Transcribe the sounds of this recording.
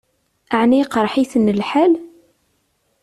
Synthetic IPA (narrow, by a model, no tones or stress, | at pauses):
aʕniqɾˤħiθənːəlħæl